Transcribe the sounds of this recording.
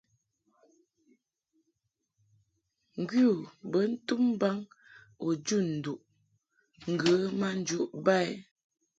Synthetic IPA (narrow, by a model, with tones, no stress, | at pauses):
ŋ̩˨ɡwju˦˨bə˨˦n̩˦tu˦m˦ba˦ŋ | o˨d͡ʒu˦˨n̩˨du˨ʔ | ŋ̩˨ɡə˨˦ma˦˨n̩˦d͡ʒu˦ʔba˦˨ɛ˦